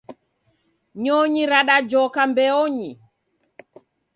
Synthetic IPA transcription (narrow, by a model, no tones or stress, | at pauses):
ɲɔɲiɾaɗad͡ʒɔkambɛɔɲi